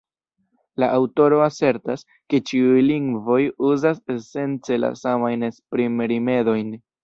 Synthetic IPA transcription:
laʔawto̞ɾo̞ase̞ɾtas | ke̞t͡ʃiujliŋɡvo̞juzase̞se̞nt͡se̞la̰samajnespɾimɾime̞do̞jn

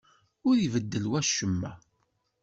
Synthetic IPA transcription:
ʊɾivəd̪ːəlwæʃəmːæ̰

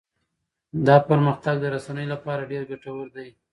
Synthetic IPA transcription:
d̪ɑpəɾməxt̪aɡ̚d̪əɾasanəjolapɑɾaɖeɾɡaʈawəɾd̪aj

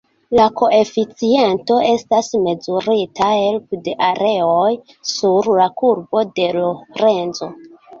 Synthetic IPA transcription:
lako̞e̞fit͡sie̞nto̞e̞stasme̞zuɾitahe̞lpde̞ʔaɾe̞oj | suɾlakuɾbo̞de̞loɾe̞nzo̞

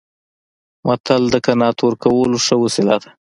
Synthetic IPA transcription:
mat̪ald̪əkanɑt̪ʰoɾkawəloʂəwəsɪla̰t̪ḁ

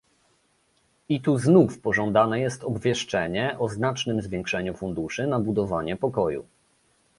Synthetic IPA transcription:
it̪uznufpɔʐɔnd̪anɛjɛst̪ɔbvʲjɛʂt͡ʂɛɲɛʔɔznat͡ʂnɘmzvʲjɛ̃ŋkʂɛɲufund̪uʂɘnabud̪ɔvaɲɛpɔkɔjṵ

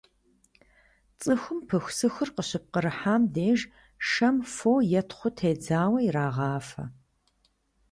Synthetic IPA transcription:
t͡sʼɨxʷʊmpʰɨxʷsɨxɨrqəɕɪp̚qəɾɨħaːmdeːʒ | ʂɐmfoːjɛtʰχʷʊtʰeːd͡zaːwɐiɾaːʁɑːfɐ̰

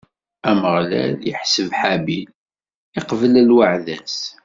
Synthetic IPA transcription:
æməʁlæ̰ljə̰ħsəvħabil | iqvəlælwaʕðæs

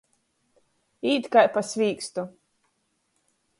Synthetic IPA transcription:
iːt̪kajpasʲvʲiːkst̪u

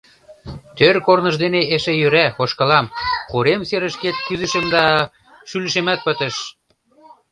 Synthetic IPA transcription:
t̪ørkornə̆ʒd̪eneeʃejøɾæxoʃkɤ̆lɑmχoɾemseɾə̆ʃket̪̚kyzə̆ʃə̆md̪ɑ | ʃylə̆ʃemæt̪̚pə̆t̪ə̆ʃ

